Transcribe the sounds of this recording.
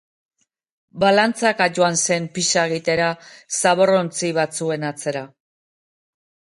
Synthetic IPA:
balant͡sakaʝoanse̞mpiʃaeɣit̪e̞ɾasaβo̞ro̞nt͡siβat͡sue̞nat͡se̞ɾa

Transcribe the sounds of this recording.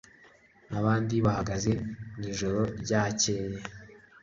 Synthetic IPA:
naβaːndiβahaɡaze̞niːʒo̞ɾo̞ɾɟaːce̞je

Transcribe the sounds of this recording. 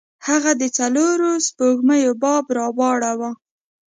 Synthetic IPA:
haɣad̪ət͡saloɾospoɡməjobɑbɾɑwɑɽawa

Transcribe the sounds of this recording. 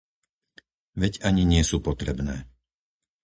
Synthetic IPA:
ʋɛɟaɲiɲɪɛsuːpɔt̪ɾɛbnɛː

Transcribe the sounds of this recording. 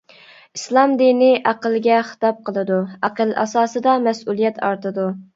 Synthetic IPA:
islˠɑmd̪inɪʔæqəlˠɡʲɛχə̥t̪ɑp̚qʰəlˠɨd̪uæqəlˠʔɑ̰sɑːsɨd̪ɑmɛsulˠijɛt̪ʰɑ̰ɾt̪ɨd̪u

